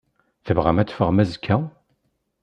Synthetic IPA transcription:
θəvʁæ̰mæt͡s̪ːfəʁmæzkʰːæ

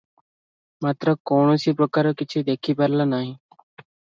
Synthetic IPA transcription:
mat̪ɾəkɔɳosipɾɔkaɾɔkit͡ʃʰud̪ekʰipaɾlanaɦĩ

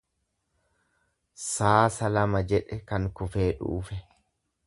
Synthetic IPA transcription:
saːsɐlɐmɐd͡ʒɛᶑɛkɐŋkʊfe̞ːᶑṵːfɛ

